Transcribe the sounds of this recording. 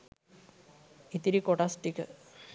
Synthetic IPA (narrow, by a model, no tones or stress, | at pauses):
it̪ːiɾikoʈasʈikːɨ